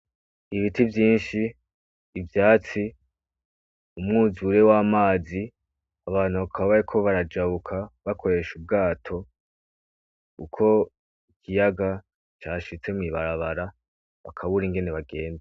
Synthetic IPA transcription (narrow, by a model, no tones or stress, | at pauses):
iβitivjiːnʃiː | vjaːt͡si | umŋuzuɾe̞waːmaːzi | aβaːn̥uβakʰaββaɾikʰo̞βaɾad͡ʒaβukʰaβakʰo̞ɾe̞ʃub̚ɡaːtʰo̞ | ukʰo̞ | ikijaɡa | t͡ʃaːʃit͡se̞miβaɾaβaɾa | βa̰kʰaβuɾiŋɡe̞ne̞βaɡe̞ːnda